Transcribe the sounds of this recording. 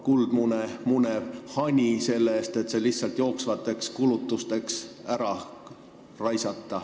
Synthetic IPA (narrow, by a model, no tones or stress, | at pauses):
kuld̪̥munemunevhɑnʲise̞lːeeːst̪e̞t̪se̞lihsɑlt̪jo̞ːksvɑt̪ːˑe̞kskulut̪ːˑust̪e̞ksæɾɑ | rɑjsɑt̪ːɑ